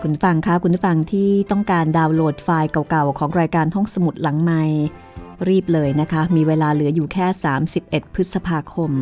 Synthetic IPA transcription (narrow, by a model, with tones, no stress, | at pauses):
kʰu˧n˥fa˧ŋkʰa˦˥kʰu˧npʰu˥˩fa˧ŋt̪ʰiː˥˩t̪ɔ˥˩ŋkaː˧ndaː˧wloː˨˩t̪̚faː˧jka˨˩wka˨˩wkʰɔː˩˦ŋɾaː˧jkaː˧nt̪ʰo˥˩ŋsa˧mu˨˩t̪̚la˩˦ŋma˧j | ɾiː˥˩p̚lɤː˧jna˦˥kʰa˦˥miː˧weː˧laː˧lɯ˩˦ɐjuː˨˩kʰɛː˥˩saː˩˦msi˨˩p̚ʔe˨˩t̪̚pʰːɯ˦˥t̪̚sa˧pʰaː˧kʰo˧m